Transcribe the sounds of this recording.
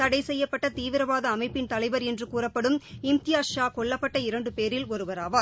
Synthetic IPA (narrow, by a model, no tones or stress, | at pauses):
t̪ɐɽɐɪsɛjːɐpːɐʈːɐt̪iːʋɪɾɐʋaːðɐːmɐɪpːɪnt̪ɐlɐɪʋɐɾɛndrɯkuːrɐpːɐɽɯmɪmt̪ɪjaːʂaːkɔɭːɐpːɐʈːɐɪɾɐɳɖɯpeːɾɪlɔɾɯʋɐɾaːʋaː